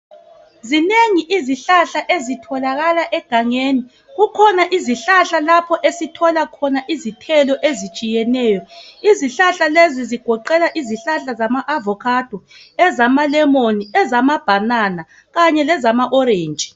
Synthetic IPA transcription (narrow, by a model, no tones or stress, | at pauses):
zineŋiʔiziɬaɬaʔezitʰɔlaɣalaʔɛɡ̥ʱaŋeːni | ɣukʰɔnaʔiziɬaɬalapʰɔʔesitʰɔlakʰɔnaʔizitʰɛlɔʔezit͡ʃʼijɛnɛːjɔiziɬaɬaleziziɡ̥ʱɔǃɛlaʔiziɬaɬazamaʔavɔkʰad̥ʱɔ | ɛzamalɛmoniɛzamab̥ʱanana | ɣaɲɛlɛzamaʔɔɾeːnd͡ʒʼʱi̥